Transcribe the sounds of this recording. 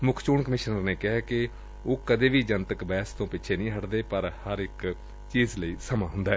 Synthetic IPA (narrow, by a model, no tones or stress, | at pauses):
mʊkʰt͡ʃuːɳkəmɪʃnəɾneːkɪɦɛːkɪ | oːkəd̪eːʋiːd͡ʒənt̪əkbɛːst̪õːpɪt͡ʃʰeːnĩːɦəʈd̪eːpəɾhəɾɪk | t͡ʃiːzləiːsəmãːɦʊ̃nd̪aːɦɛː